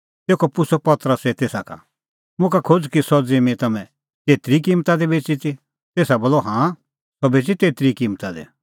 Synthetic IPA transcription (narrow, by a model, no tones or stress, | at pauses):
t̪eːkʰɔpʊsɔpɐt̪əɾəset̪eːsakʰa̰ | mʊ̃kakʰod͡zkisɔd͡zimĩt̪ɐmɛ̃ | t̪eːt̪ɾik̬iːmt̪ad̪ebeːt͡ʃit̪i | t̪eːsaboːlɔɦãː | sɔbeːt͡ʃit̪eːt̪ɾikiːmt̪ad̪ḛ